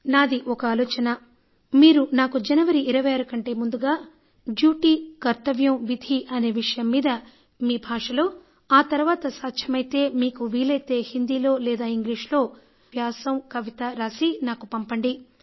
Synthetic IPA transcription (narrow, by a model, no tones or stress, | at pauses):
naːd̪iʔɔkɐaːlɔːt͡ʃɐnɐ | miːɾunaːkud͡ʒɐnɐʋɐɾiʔːɾɐʋɐjaːɾɐkɐɳʈe̞ːmund̪uɡaː | d͡ʒjuːʈikɐɾt̪ɐʋjɐmʋid̪ʱiʔɐne̞ːʋiʂɐjɐmːiːd̪ɐ | miːbʱaːʂɐlo̞ː | aːt̪ɐɾuʋaːt̪ɐsaːtʃʰɐmɐjt̪e̞ːmiːkuʋiːlɐjt̪e̞ːhind̪iːlo̞ːlɛːd̪aːiŋɡliːʂlo̞ː | bʱjaːsɐmkɐʋit̪ɐɾaːsinaːkupɐmpɐɳɖi